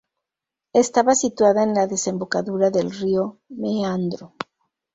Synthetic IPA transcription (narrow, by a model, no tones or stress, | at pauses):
est̪aβasit̪waðaenlaðe̞se̞mbo̞kaðuɾaðe̞lriomeand̪ɾo